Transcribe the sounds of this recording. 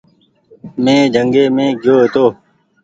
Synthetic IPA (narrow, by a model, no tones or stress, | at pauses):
mẽːd͡ʒʱəŋɡeːmẽːɡʱjoːɦt̪oː